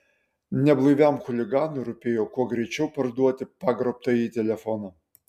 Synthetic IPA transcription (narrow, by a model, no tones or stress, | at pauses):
nʲɛblˠɐɪʋʲɛmxʊlʲɪɡɑːnʊɪɾʊpʲeːjoːkuɔɡɾʲɛɪt͡ʃʲɛʊpɐɾd̪uɔt̪ʲɪpɑːɡɾɔp̚t̪ɐjiːt̪ʲɛlʲɛfɔnɐ